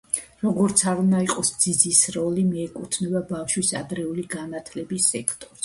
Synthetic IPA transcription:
ɾɔɡɔɾt̪sʰaɾunaiqʼɔsd̪z̥id̪zisɾɔlimiɛkʼut̪ʰnɛbabafʃwisa̰d̪ɾɛuliɡanat̪ʰlɛbisɛkʰt̪ʼɔɾs

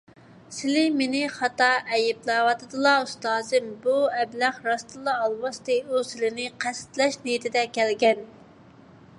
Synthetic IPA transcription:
sɪlɪmenɪχɑt̪ɑʔɛjɪblˠɑwɑt̪ʰɨd̪ɨlˠɑust̪ɑːzɨmbuɛblæχɾɑst̪ɨlˠɑːlˠwɑst̪ɨusɪlɪnɪqʰæsɪ̥t̪lɛʃnejit̪ʰɪd̪ɛkʲʰɛlɡʲɛn

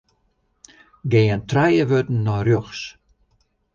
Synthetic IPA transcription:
ɡeːəntrɛjəʋøtn̩ːɔrjøxs

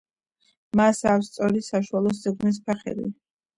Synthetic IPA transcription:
masast̪sʼɔɾisaʃualˠɔs̬zɛɡnɛs̬pʰɛχɛ̰lḭ

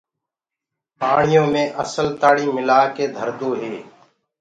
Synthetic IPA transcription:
paːɳɪjõːmẽːʔəsəlt̪aːɽiːmɪlaːkeːd̪ʱəɾd̪oːɦeː

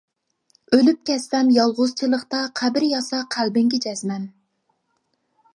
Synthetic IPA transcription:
ølyp̚kʲʰɛsːɛmjɑlˠʁʊzt͡ʃʰɨlˠəχt̪ɑqʰæbɪɾjɑsɑqʰælbɪŋɡʲid͡ʒɛzmɛm

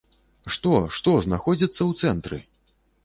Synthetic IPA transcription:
ʂt̪ɔʂt̪ɔznaxɔd͡zʲit̪sːɐwt̪sɛnt̪ɾɨ̰

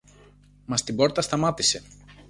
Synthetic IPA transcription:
mɐst̪ibo̞ɾt̪ɐst̪ɐmɐt̪ise̞

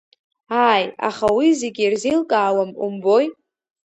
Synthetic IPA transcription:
aja̰χawizeɡʲirzelkʼaːwamṵmbo̞j

